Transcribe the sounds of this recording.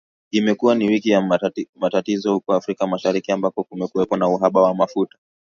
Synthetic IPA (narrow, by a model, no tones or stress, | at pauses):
imɛkuwaniwikijamatatizɔhukɔafɾikamaʃaɾikiambakɔkumɛkuwɛpɔnauɦaɓawamafutḁ